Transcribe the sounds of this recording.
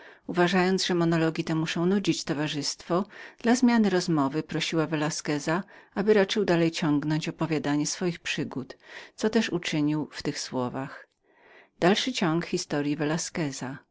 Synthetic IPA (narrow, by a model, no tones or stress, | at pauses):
uvaʐajɔnd̪ʐɛmɔnɔlɔɡʲit̪ɛmuʂɔ̃w̃nud͡ʑit͡ɕt̪ɔvaʐɘst̪fɔd̪̥lazmʲjanɘɾɔzmɔvɘpɾɔɕiwavɛlaskɛzaabɘɾat͡ʂɘwd̪alɛjt͡ɕɔŋɡnɔɲt͡ɕɔpɔvʲjad̪aɲɛsfɔjixpʂɘɡut̪t̪sɔt̪ɛʂut͡ʂɘɲiwft̪ɘxswɔvax | d̪̥alʂɘt͡ɕɔŋkxʲist̪ɔɾjivɛlaskɛza